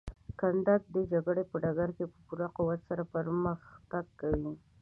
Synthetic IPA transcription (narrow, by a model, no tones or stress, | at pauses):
kand̪ad̪̚d̪əd͡ʒaɡɽepəɖaɡaɾkepəpuɾaquwat̪saɾapəɾməxt̪aɡkːawi